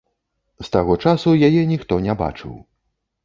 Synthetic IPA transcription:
st̪aɣɔt͡ʂasujajɛnʲixt̪ɔnʲɛba̰t͡ʂɨ̰w

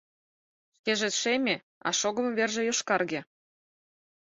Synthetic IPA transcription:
ʃkeʒĕt̪ʃemʲe | ɑ̰ʃoɣɤ̆mβerʒĕjoʃkɑrɣe

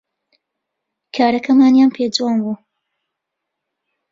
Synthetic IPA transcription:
kʰaːɾɐkʰɐmaːnjaːnpʰeːd͡zuwaːnbuː

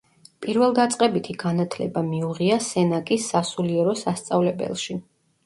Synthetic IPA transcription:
pʼiɾvɛlˠd̪at̪sʼqʼɛbit̪ʰiɡanat̪ʰlɛbamiuʁiasɛnakʼisːasuliɛɾɔsast̪sʼavlɛbɛ̰lˠʃi

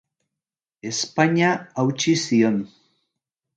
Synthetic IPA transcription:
espaɲaawt͡ʃision

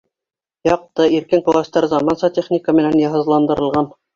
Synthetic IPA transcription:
jɑq̚t̪ɤiɾkɘŋqulˠɑst̪ɑɾzɑmɑnsɑt̪ʲeχnʲikəmɘ̆nænjɑɦɤ̆zlˠɑnd̪ɤ̆ɾɤ̆lˠʁɑn

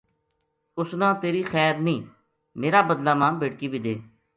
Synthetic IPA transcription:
ʊsnãːt̪eːɾiːxɛːɾnĩː | meːɾaːbəd̪laːmãːbeːɽkiːbiːd̪eː

